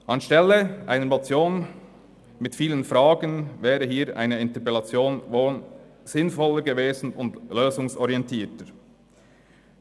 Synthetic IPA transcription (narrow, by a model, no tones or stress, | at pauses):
ʔɑnʃtɛlːəʔaɪnəmot͡sjoːn | mɪtfiːlənfɾɑːɡənvɛːɾəɦiːɾʔa̰ɪnəɪntəpɛlɑt͡sjoːnvoːnz̥ɪnfɔləɾɡəveːzn̩ʊndløːzʊŋsɔɾiɛntʰiːtəɾ